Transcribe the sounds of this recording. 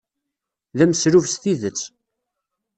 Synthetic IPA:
ðæmsɾuvsθiðət͡sː

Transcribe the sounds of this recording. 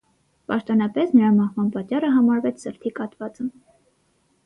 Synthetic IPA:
pɑʃt̪ɔnɑpɛsnəɾɑmɑhvɑnpɑt͡ʃːɑrəɦɑmɑɾvɛt͡sʰsəɾt̪ʰikɑt̪vɑt͡sə

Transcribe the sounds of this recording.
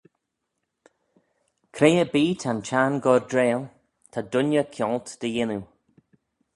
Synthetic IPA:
kʰɾeːjəbiːt̪ʰant͡ʃanɡɔɹdɾeːlˠ | t̪ʰad̪ʊnjəkʰjɔlt̪d̪̥əjɪnu

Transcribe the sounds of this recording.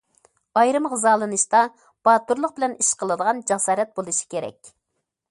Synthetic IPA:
ɑjɾɨmʁəzɑːlˠɨnɨʃt̪ɑ | b̥ɑːt̪uɾlˠʊq̚bɪlɛniʃqʰəlˠɨd̪əʁɑnd͡ʒɑsɑːɾɛt̪̚bolˠuʃi̥kʲeɾɛ̰kʲ

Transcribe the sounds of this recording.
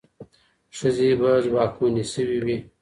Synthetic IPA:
ʂəzebazbɑːkunisəwiwi

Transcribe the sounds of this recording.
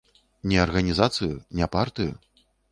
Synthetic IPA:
nʲɛɐrɣɐnʲizat̪sɨjunʲɛpart̪ɨjṵ

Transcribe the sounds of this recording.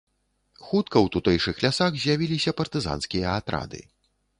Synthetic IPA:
xut̪̚kɐwt̪ut̪ɛjʂɨxlʲasaɣzʲjavʲilʲisʲɐpɐrt̪ɨza̰nskʲijɐːt̪ɾa̰d̪ɨ̰

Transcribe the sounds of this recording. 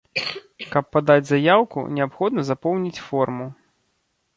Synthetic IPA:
kɐpːad̪ad͡zʲzajawkṵnʲɛapxɔd̪nɐzapɔwnʲit͡sʲfɔrmu

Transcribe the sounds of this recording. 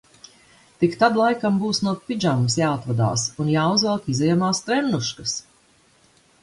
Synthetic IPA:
t̪ikt̪ad̪lˠajkambuːsnuɔpid͡ʒamsjaːat̪vad̪a̰ːsunjaːuzvalˠkizɛjamaːst̪ɾɛnːuʃkas

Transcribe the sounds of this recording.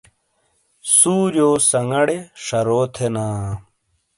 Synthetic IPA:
suːd͡ʑoːsɐŋɐɽeʂɐɾoːt̪ʰenaː

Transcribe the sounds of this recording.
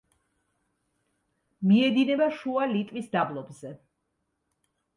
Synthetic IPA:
miɛd̪inɛbaʃualit̪ʼvisd̪ablˠɔbzɛ

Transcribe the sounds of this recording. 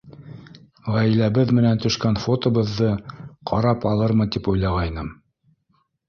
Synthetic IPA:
ʁæjlæβɘðmɘ̆nænt̪ɵ̆ʃkænfot̪ŏβɤ̆ðːɤqʰɑɾɑpɑlˠɤɾmɤt̪ipujlˠɑʁɑjnɤm

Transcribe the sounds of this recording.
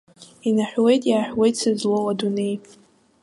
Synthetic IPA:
inaħʷᶣwe̞jtʼjaːħʷᶣwe̞jtʼsɨzlowadune̞j

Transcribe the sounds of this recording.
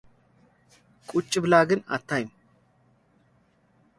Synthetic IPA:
kʼut͡ʃʼːɨblaːɡɨnɐ̰t̪ʰːajm

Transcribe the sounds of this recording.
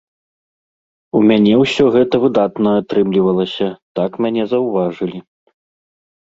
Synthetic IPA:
umʲanʲɛwsʲɔɣɛt̪ɐvɨd̪at̪nɐat̪ɾɨmlʲivɐlˠɐsʲɐt̪akmʲanʲɛzɐwvaʐɨlʲi

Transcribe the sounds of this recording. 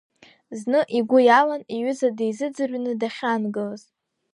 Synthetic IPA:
znɨʔiɡʷʊjalaniɥʏzadejzɨd͡zɨrɥnɨdaχʲanɡɨlaz

